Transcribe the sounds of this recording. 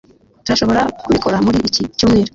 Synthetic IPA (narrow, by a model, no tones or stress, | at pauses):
tuɾaʃo̞βo̞ɾakuβiko̞ɾamuɾiʔicicuːmŋiːɾo